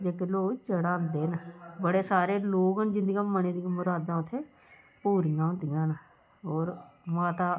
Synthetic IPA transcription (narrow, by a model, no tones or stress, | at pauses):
d͡ʒeːkeloːɡt͡ʃəɽãːnd̪eːnbəɽeːsaːɾeːloːɡənd͡ʒɪnd̪ijãːməneːd̪ĩmʊɾaːd̪ãːʊt̪ʰːeː | puːɾijãːʊt̪ijãːna | oːɾmaːt̪aː